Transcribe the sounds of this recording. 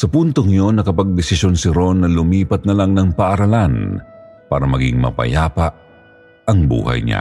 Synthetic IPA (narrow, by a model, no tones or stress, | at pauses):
sɐpunt̪oŋɪjonɐkɐpɐɡ̚d̪ɪsɪsjonsɪɾo̞nːɐlʊmiːpɐt̪̚nɐlaŋnɐŋpɐʔɐɾɐlanpaːɾɐmɐɡɪ̰ŋmɐ̰pɐ̰jaːpɐʔ | ɐŋbṵːhɐ̰jɲa̰